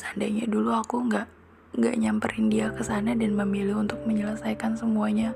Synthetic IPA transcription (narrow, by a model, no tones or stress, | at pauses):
sandaɲaduluakuŋɡaʔ | ŋɡa̰ʔɲampəɾɪndiakəsanadanməmilɪhunt̪ʊk̚məɲələsajkansəmuaɲa